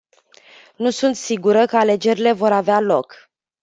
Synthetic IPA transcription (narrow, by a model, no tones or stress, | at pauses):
nusunt̪siɡuɾəkəale̞d͡ʒe̞ɾile̞vo̞ɾavealo̞k